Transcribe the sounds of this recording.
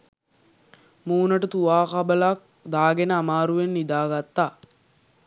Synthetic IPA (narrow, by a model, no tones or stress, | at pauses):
muːnəʈət̪uʋaːkabəlak̚ | d̪aːɡenəamaːɾuʋenːid̪aːɡat̪ːaː